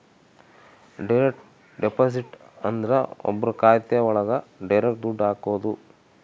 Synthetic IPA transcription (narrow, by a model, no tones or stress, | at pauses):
ɖɐjɾekʈ | ɖepoːsiʈ | ɐnd̪ɐɾɐɔ̰bːɐɾukaːjt̪ɛjɐɔɭɐɡɐɖɐjɾek̚d̪uɖːaːkoʋɐd̪u